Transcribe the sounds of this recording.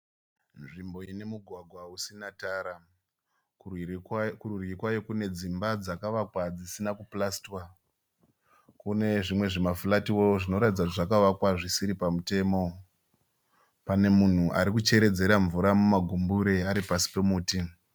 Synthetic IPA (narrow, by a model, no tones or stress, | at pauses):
nʐimbo̞ine̞muɡʱwaɡʱwausinataːɾa | kururikwajokune̞d͡zimbad͡zakaʋakwad͡zisinakuplastwa | kune̞ʐimwe̞ʐimafulatiwo̞ʐino̞ɾatid͡zautʐakaʋakwaʐisiɾipamute̞ːmo̞ | pane̞mun̤uʔa̰ɾikut͡ʃe̞ɾe̞d͡ze̞ɾaɱvuɾamumaɡʱumbuɾe̞aɾipasi̥pe̞muːti